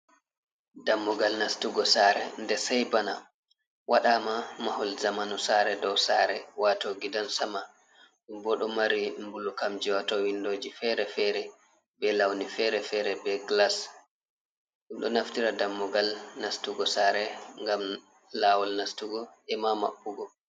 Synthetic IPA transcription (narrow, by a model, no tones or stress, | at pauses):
damːɔɡalnastuɡɔsaɾɛ̰ndɛsajbana | waɗamamahɔlzamanusaɾɛdɔwsaɾɛwatoɡidansama | ɗumbɔɗɔmaɾimbulukamd͡ʒiwatɔwindoːd͡ʒifɛɾɛfɛɾɛ | bɛlawnifɛɾɛfɛɾɛbɛɡlas | ɗumɗɔ̰naftiɾadamːɔɡalnastuɡɔsaɾɛŋɡam | laːwɔlnastuɡɔʔɛmama̰ɓːuɡɔ